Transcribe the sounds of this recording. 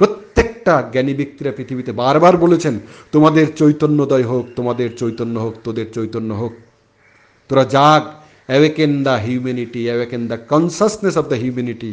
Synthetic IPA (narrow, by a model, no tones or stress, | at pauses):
pɾot̪jek̚ʈaɡɛnibik̚t̪iɾapɾit̪ʰibit̪ebaɾbaɾbolet͡ʃʰent̪omad̪eɾt͡ʃojt̪onːod̪ɔjɦok̚t̪omad̪eɾt͡ʃojt̪onːoɦok̚t̪od̪eɾt͡ʃojt̪onːoɦok̚ | t̪oɾad͡ʒaɡ | eʋekend̪aɦjumeniʈieʋekend̪akɔnsəsʈnesɔb̚d̪aɦjumeniʈi